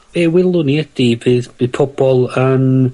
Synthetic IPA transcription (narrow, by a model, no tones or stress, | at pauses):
ewɪlˠʊniəd̥ivɨðvɨðpʰɔb̥ɔlˠən